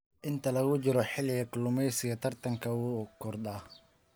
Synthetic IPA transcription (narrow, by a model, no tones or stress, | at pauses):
ʔɪnt̪ʰɐlɐɣʊt͡ʃɪɾɔħɪlɪɣɐkʰɪlʊmɛjsɪɣɐt̪ʰɐrt̪ʰɐŋkʰɐkʰɔrd̪aː